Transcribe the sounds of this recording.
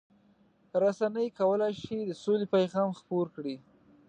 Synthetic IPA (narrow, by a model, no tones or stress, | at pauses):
ɾasanəjkawəlajʃid̪əsolepajɣɑmxpoɾkɽi